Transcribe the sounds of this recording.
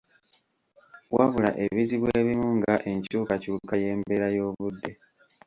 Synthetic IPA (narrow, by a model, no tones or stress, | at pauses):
waβula̰ʔe̞βiziβwe̞ːβimuŋɡaʔe̞ɲcuːkacuːkaje̞ːmbe̞ɾajo̞ːβudːe̞